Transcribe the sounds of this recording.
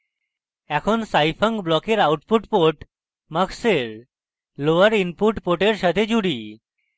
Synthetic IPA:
ɛkʰonsajpʰəŋkblɔkeɾawʈpuʈpoʈ | məkseɾ | loaɾinpuʈpoʈeɾʃat̪ʰed͡ʑuɽi

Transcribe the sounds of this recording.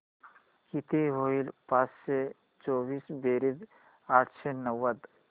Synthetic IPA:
kit̪eɦoːilpaːsse | t͡ʃoːbiːsbeːɾɪd̪ | aːʈʰsenəwːəd̪

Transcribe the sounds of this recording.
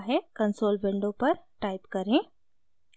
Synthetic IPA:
ɦekɐ̃nsoːlbɪ̃ɳɖõpɐɾʈaːɪpkɐɾẽː

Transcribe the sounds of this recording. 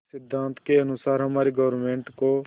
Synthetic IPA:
sɪd̪ʱːãːnt̪ʰkeɐnʊsaːɾɦɐmaːɾiɡəʋəɾmẽːɳʈko

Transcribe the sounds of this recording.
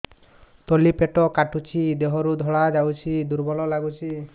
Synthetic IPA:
t̪olipeʈɔkaʈut͡ʃʰid̪eɦɔɾud̪ʱɔɭad͡ʒawt͡ʃʰid̪uɾbɔlɔlaɡut͡ʃʰi

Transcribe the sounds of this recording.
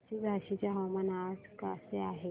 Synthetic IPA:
ɕibʱaɕit͡ɕjaɦawmanaskaseaɦe

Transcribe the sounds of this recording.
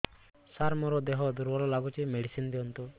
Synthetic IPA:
saɾmɔɾɔd̪eɦɔd̪uɾbɔɾɔlaɡut͡ʃimeɖisind̪iɔnt̪u

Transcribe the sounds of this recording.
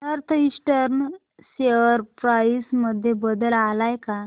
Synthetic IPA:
əɾt̪ʰəisʈəɾn | seʋəɾpɾaisməd̪ʱjebəd̪əlalajka

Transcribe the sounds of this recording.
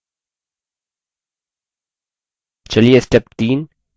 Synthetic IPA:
t͡ʃɐlijesʈɛp̚t̪iːn

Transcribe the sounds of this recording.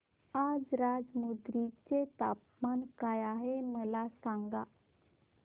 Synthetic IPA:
ad͡zɾad͡zmud̪ɾit͡set̪a̰p | mankajaɦeməlasãŋɡa

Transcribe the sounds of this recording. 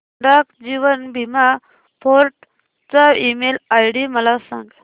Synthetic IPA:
ɖakd͡ʑiʋənbʱima | pʰoɾʈ | t͡saimelajɽiməlasã̰ŋɡ

